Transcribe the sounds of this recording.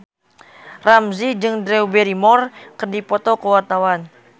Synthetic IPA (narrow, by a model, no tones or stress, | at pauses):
ramzid͡ʒɨŋdɾɛubɛɾimɔrkərdipɔt̪ɔkəwart̪awan